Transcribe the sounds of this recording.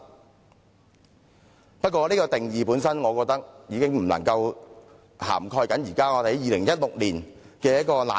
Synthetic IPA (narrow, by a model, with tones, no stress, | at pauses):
pɐ˥t̚kʷɔː˧liː˥kɔː˧t̪ɪ˨˩ŋjiː˨˧puː˨˥nsɐ˥nŋɔː˨˧kɔː˧k̚t̪ɐ˥k̚jiː˨˧kɪ˥ŋm̩˨˩lɐ̰˨˩ŋkɐ˧w | ha̰ː˨˩mkʰɔː˧jkɐ˨˥njiː˨˩kaː˥ŋɔː˨˧d̪e˨˥jiː˨˧lɪ˨˩ŋjɐ˥t̚lʊ˨k̚liː˨˩n | kɛː˧jɐ˥kɔː˧la̰ː˨